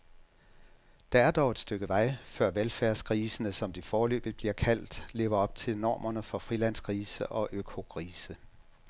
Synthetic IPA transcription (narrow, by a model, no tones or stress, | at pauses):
d̥ɑ̈æɐd̥ɒʊe̝d̥sd̥øɡ̥əʋɑ̈ɪ̰fɶɐ̰ʋelfæɐsɡ̥ʰʁiːsənəsɒ̽md̥ifɒːlø̰ːb̥ð̩ˠb̥liɐkʰæl̰d̥le̝ːʊɐɒ̽b̥̚t͡sʰe̝lnɒ̰ːmɐnəfɒ̽fʁilæn̰sɡ̥ʁiːsəʔɒ̽ʔøkʰo̝kʰʁiːsə